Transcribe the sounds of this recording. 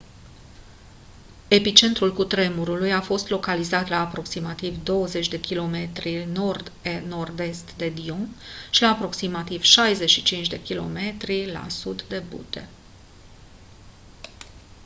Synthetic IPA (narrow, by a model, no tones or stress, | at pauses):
e̞pit͡ʃe̞nt̪ɾulkut̪ɾe̞muɾulujafo̞st̪lo̞kalizat̪laːpɾo̞ksimat̪ivd̪o̞wəze̞t͡ʃʲd̪e̞kʲilo̞me̞t̪ɾino̞rd̪eno̞rd̪e̞st̪d̪e̞d̪ioŋʃilaːpɾo̞ksimat̪iv̥ʃajze̞ʃit͡ʃint͡ʃd̪e̞kʲilo̞̰me̞t̪ɾila̰sud̪d̪e̞bṵt̪e̞